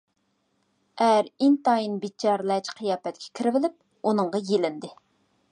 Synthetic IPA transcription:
æɾint̪ɑjinbit͡ʃʰːɑɾlɛt͡ʃqʰɨjɑːpɛt̪̚kʲʰɛ̥kʲʰiɾɪvɪlɪp̚ | unɨɴʁɑjelɪnd̪ɪ

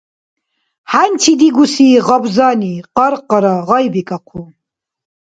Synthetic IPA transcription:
hant͡ʃʰid̪iɡusiːʁɔbzaniqɑɾqɑɾaʁɑjbikʼaqʰu

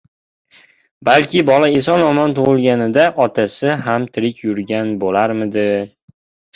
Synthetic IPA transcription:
balkʲɪbɒlaesɒnɒmɒnt̪ʰʊʁɨlˠɡʲanɪd̪aʔɒt̪ʰasɪɦamt̪ʰɪɾɪkʲʰjʊɾɡʲanbolaɾmɪd̪ɪ

